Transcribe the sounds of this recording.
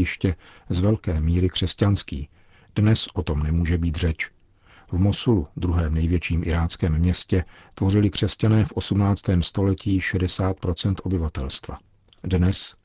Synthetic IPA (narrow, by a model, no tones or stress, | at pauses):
jɪʃcɛzvɛlkɛːmiːɾɪkr̝̥ɛscanskḭː | d̥nɛsʔo̞t̪o̞mnɛmuːʒɛbiːt̪r̝ɛt͡ʃ | vmo̞sulud̪ɾuɦɛːmnɛjvjɛt͡ʃiːmʔɪɾaːt͡skɛːmːɲɛscɛ | t̪vo̞rɪlɪkr̝̥ɛscanɛːfʔo̞sumnaːt͡st̪ɛːmst̪o̞lɛcʰiːʃɛdɛsaːt̪̚pɾo̞t͡sɛnt̪ʔo̞bɪvat̪ɛlst̪va̰ | dnɛs